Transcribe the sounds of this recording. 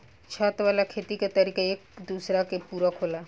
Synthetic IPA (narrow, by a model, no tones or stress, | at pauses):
t͡ʃʰaːt̪ʋaːlakʰeːt̪ikat̪əɾiːkaeːkd̪uːsɾakepuːɾakʰoːlaː